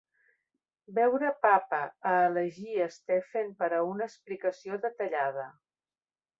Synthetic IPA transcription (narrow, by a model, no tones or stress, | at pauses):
bɛwɾəpapəəːləʒiəst̪efenpəɾəunəːsplikəsioðət̪əʎað̞ə